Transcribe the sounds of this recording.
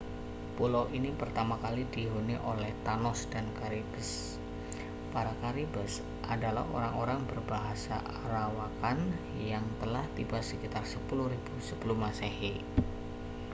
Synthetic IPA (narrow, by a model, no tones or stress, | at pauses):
pulowʔinipərt̪amakalidiɦuniʔolɛht̪anɔsd̥ankaɾibəs | paɾakaɾibəs | ʔadala̰ho̰ɾaŋoɾaŋbərbaɦasa̰ | rawakan | jaŋt̪əlaht̪ibasəkit̪arsəpuluhɾib̥usəpuluhmasahi